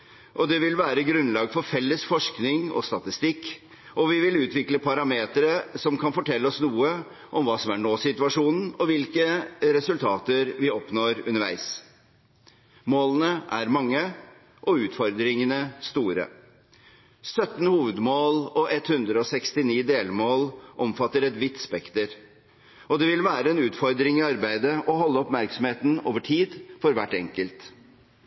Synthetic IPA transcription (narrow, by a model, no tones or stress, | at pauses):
ʔɔd̪ɛʋɪlʋæːɾəɡɾʉnlɑːɡfɔɾfɛlːəsfɔʂknɪŋɔ̰st̪ɑt̪ɪst̪ɪkː | ɔʋɪʋɪlʉːt̪ʋɪkləpʰɑɾɑmeːt̪ɾəsɔmkʰɑnfɔʈʰɛlːəɔsnuːə | ʔɔmʋɑːsɔmæɳoːsɪt̪ʉɑʂuːnn̩ɔʋɪlkəɾɛsʉlt̪ʰɑːt̪əɾʋɪɔpnoːɾʉ̰nəɾʋæ̰ɪs | moːlənəʔæ̰ɾmɑŋːə | ʔɔʉːt̪fɔɾd̪ɾɪŋənəst̪uːɾə̰ | sœt̪n̩huːʋəd̪moːlɔʔɛt̪hʉnd̪ɾəɔsɛkst̪ɪniːd̪eːlmoːlʔɔmfɑt̪ːəɾɛt̪ʋɪt̪spɛkt̪əɾ | ɔd̪ɛʋɪlʋæːɾəɛnʉːt̪fɔɾd̪ɾɪŋiːɑɾbæɪd̪əʔɔɦɔlːəɔpmæɾksɔm̩heːt̪n̩oːʋəʈʰiːd̪fɔɾʋæʈːɛŋkəlt̪